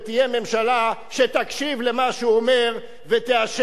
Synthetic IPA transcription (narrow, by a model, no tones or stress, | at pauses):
t̪ije̞me̞mʃalaʃet̪akʃivle̞maʃuome̞ʁ | vet̪eaʃ